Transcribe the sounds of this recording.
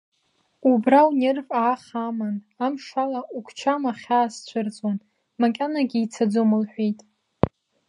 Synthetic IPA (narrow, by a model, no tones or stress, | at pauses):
ubrawnervʼaːχaman | amʂalaukʷʰt͡ʃʰamaχʲaːst͡ɕʷʰɨrt͡sʼan | makʲʼanaɡʲiit͡sʰad͡zomɨlħʷᶣijtʼ